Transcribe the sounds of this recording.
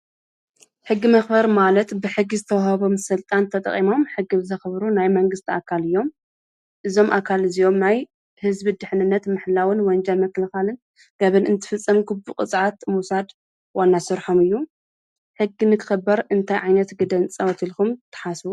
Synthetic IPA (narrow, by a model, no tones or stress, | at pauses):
ħɨɡːimɐxbɐɾmalɐt̪bɨħɨɡːizɨt̪ʰɐwahɐβo̞msɨlt̪ʼant̪ʰɐt̪ʼɐ̰χʼimo̞mħɨɡɨβzɐxβɾunajmɐŋɡɨst̪ʰiakʰalɨjːo̞m | ʔɨzo̞mʔakʰalɨzijo̞mnaj | hɨzbid̪ɨħnɨnːɐt̪mɨħlawɨnwɐnd͡ʒɐlmɐkːɐlɐxalɨn | ɡ̥ɐβɨnɨnt̪ʰɨ̥fɨt͡sʼːɐmkʰubɨkʼɨsʼʕat̪musad̪ | wanːasɨɾħomɨjːu | ħɨɡːinɨkʰɨ̥xɐbːɐɾɨnt̪ʰajʕajnɐt̪ɡɨd̪ɐnt͡sʼɐwɐt̪ʰilkumt̪ʰːɐ̥ħasbu